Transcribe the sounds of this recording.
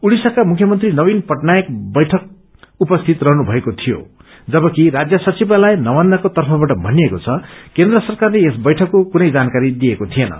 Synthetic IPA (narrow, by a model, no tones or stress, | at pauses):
uɽisʌkamukʰjʌmʌnt̪rinʌbinpʌʈnajek̚bʌjʈʰʌk̚ | upʌst̪ʰit̪rʌɦnubʱʌekot̪ʰijo̰ | d͡zʌbʌkiɾad͡zjʌsʌt͡sibalajnʌmand̪akot̪ʌrpʰʌbaʈʌbʱʌnijekot͡sʰʌkend̪rʌsʌrkarleesbʌjʈʰʌkːokunʌjd͡zankaɾid̪ijekot̪ʰijenʌ̰